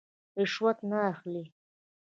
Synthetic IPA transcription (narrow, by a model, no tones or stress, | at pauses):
ɪʃwat̪naːxli